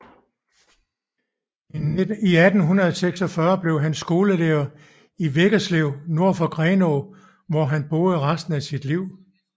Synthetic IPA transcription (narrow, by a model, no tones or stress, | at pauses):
iæd̥n̩ɦunʁɐðˠseɡ̥sɒ̽fɶɐb̥le̝ʊɦænsɡ̥o̝ːləleɐ | iʋeɡ̥ɐsleʊno̝ɐ̰fɒ̽ɡ̥ʁɛːno | ʋɒɦænb̥o̝ːð̩ˠʁasd̥n̩æsid̥liʊ̰